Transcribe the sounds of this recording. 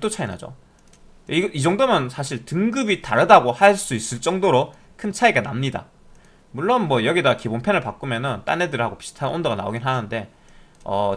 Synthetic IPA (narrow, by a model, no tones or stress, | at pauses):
t͈ot͡ɕʰaina̰d͡ʑo̰ | iɡid͡ʑʌŋdomjʌnsʰaɕ̬ʰiɭtɯŋɡɯbitaɾɯdaɡohaɭs͈uis͈ɯɭt͡ɕ͈ʌŋdoɾo | kʰɯnt͡ɕʰaiɡana̰mɲida̰ | muɭːonmwʌjʌɡidakibonpʰjenɯɭpak͈ɯmjʌnɯnt͈a̰nedɯɾihaɡopi̥sʰi̥tʰanondoɡana̰o̰ɡinɦanɯnde̞ | ʌ̰